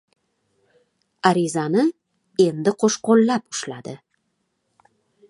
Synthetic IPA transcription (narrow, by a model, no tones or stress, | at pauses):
aɾɪzanɪ | e̞nd̪ɪqʰoʃqolːapʊ̥ʃlad̪ɪ